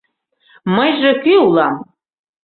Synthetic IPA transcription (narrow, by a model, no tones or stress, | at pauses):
məjʒekyulˠɑm